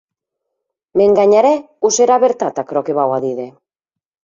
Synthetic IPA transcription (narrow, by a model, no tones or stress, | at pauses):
meŋɡaɲaɾe | use̞ɾaβeɾt̪at̪akɾokeβawaðiðe̞